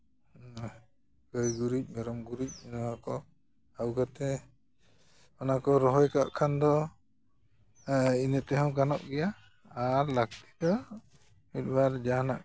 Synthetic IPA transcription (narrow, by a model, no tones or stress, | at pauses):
ɡəjɡuɾic̚ˀmɛɾɔmɡuɾic̚nɔakɔ | awɡat̪ɛ | ɔnakɔɾɔɦɔjkaʔkʰand̪ɔ | inət̪ɛɦɔ̃w̃kanɔʔɡɛja | aɾlak̚t̪i̥d̪ɔ | mit̪̚ˀbaɾd͡ʒanaʔ